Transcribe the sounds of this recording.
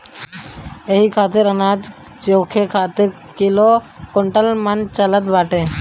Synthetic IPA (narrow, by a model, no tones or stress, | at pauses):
eɦikʰaːt̪ɪɾənaːd͡ʒ | t͡ʃoːkʰekʰaːt̪ɪɾ | kɪlokoɳʈəlmənt͡ʃələt̪baːʈẽː